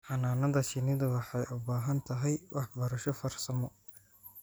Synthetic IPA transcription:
ħɑnaːnɐðɐt͡ʃɪnɪðɐwɑħɑjʔʊbaːɦɐnt̪ʰɐɦɛjwʔɑħbɐɾɐʃɔfɐrsɐmɔ

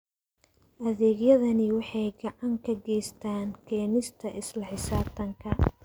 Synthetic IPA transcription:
ʔɐðɛːɡjɐðɐnɪwɑħɑjɡɑʕɑŋkʰɐɡɛjst̪ʰaːnkʰɛːnɪst̪ʰɐʔɪslɐħɪsaːb̚t̪ʰɐŋkʰɐ

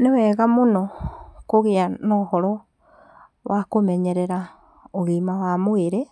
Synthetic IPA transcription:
newɛɣamonokoɣeanɔhɔɾɔ | wakomɛɲeɾeɾa | oɣimawamoeɾe

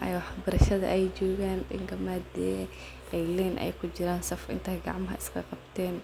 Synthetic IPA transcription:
ʔɛjwɑħbɐɾɐʃɐðɐ̰ʔɛjt͡ʃɔːɣaːnɗɪ̰ŋkʰɐmad̪ɛ | ɛjlɛːnʔɛ̰jkʰʊd͡ʒɪɾaːnsɐfʔɪ̰nt̪ʰɐːɡɑ̰ʕmɐɦɐ̰ɪ̥skʰɐqɑbt̪ʰɛːn

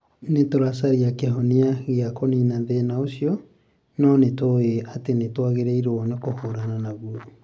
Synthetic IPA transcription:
netoɾasaɾiakeɦoniaɣeakoninaðenaosiɔ | nɔnetoeatenetwaɣeɾɛiɾɔnekohoɾananaɣu

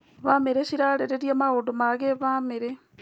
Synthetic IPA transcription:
βameɾeɕiɾaɾeɾeɾiamaɣoːdomaɣeβameɾe

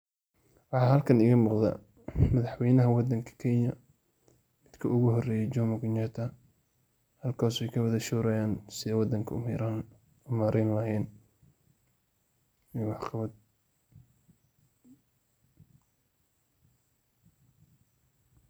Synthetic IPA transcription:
wɑħɑːɦɐlkʰɐnɪɣɐmuːqd̪ɐ̰ | mɐðɑħwɛjnɐɦɐwɑd̪ɐŋkʰɐ̥kʰɛɲɐ | mɪd̪̥kʰɐʊɣʊhɔrɛːjɛt͡ʃɔmɐɡɪnɛt̪ʰɐ | hɐlkʰaːswɛjkʰɐwɐðɐʃuːɾɐjaːnsɪðɛwɑd̪ɐŋkʰɐɾa | ʊmaːɾɛnlɐɦɛːn | iwɑħqɑβɐd̪

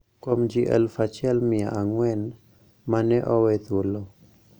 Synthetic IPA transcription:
komd͡ʒiʔɛ̰lfat͡ʃɛlmɪaʔaŋwɛn | manɛʔɔwɛt̪olo

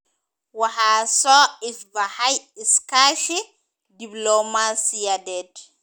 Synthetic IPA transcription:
waɦasɔisbahajiskaʃi | diblɔmasijadɛd

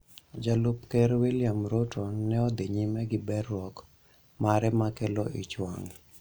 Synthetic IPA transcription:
d͡ʒalʊpkɛɾwiljamɾotonɛɔd̪eɲimɛɡɪbɛrwɔk | maɾɛmakeloʔit͡ʃwa̰ŋ

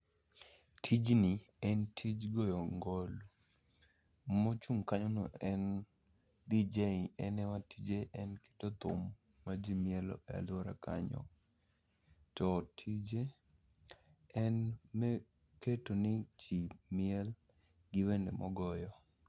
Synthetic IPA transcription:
tʰid͡ʒnɪ | ɛntʰid͡ʒɡɔjɔŋɡɔlo | mot͡ʃuŋkaɲono̰ɛn | did͡ʒeiɛnɛwatid͡ʒeʔɛnke̥tot̪ʊ̰mː | ad͡ʒimɪɛlɔ̰a̰loɾa̰kaɲɔ̰ | tɔtʰid͡ʒe | ɛnmɛ | ketonɪd͡ʒimɪɛl | ɡɪwendḛmʔɔɡɔjɔ

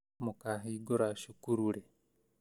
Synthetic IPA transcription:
mukaɦiːɡoɾaʃukuɾuɾe

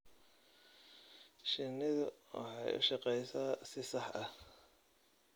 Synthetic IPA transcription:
ʃɪnɪðʊwɑ̰ħɑjʊ̰ʃɑqɛjsaːsɪsɑħɐh

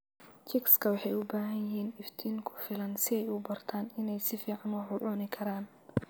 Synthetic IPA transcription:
t͡ʃʰɛkskʰɐwɑħɑjʊbaːɦɐjɦɛːnɪft̪ʰiːŋkʰʊ̥fɪlɐnsɪɛjʊbɐrt̪ʰaːnɪnɛjsɪfiːʕɑnwʊħʊʕʊnɪkʰɐɾaːn

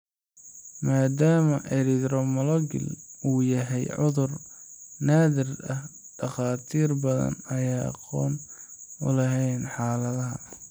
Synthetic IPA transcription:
maːd̪aːmɐʔɛɾɪd̪ɾɔmɔlɔɡɪ̰luːjɐɦɛjʕʊðʊrnaːðɪrɐh | ɖ̥ɐχɑːt̪ʰiːrbɐðɐ̰nɐjaːɑ̰qɔ̰ːnʊlɐɦɛjnħɑːlɐðɐɦɐ

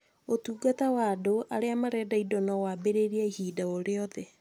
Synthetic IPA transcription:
otuːɡatawadoaɾeamaɾɛːdaidɔnɔwabeɾeɾiaihiːdaoɾeɔðɛ

